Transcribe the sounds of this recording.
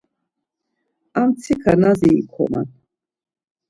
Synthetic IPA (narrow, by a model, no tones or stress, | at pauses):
amt̪t͡s̪ʰikʰanaziikʰɔ̰ma̰n